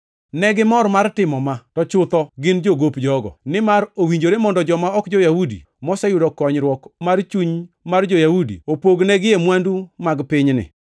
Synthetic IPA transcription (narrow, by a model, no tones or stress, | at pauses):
nɛɡɪmɔrmartɪmɔmatɔt͡ʃʊt̪ɔɡɪnd͡ʒoɡopd͡ʒɔɡɔ̰nɪmaɾowiɲd͡ʒoɾemɔndɔd͡ʒɔmaɔkd͡ʒojahudḭ | mɔsɛjʊdɔkɔɲɾwɔkmart͡ʃuɲ | mard͡ʒojahudḭopoɡnɛɡɪjemwandumaɡpɪɲnɪ̰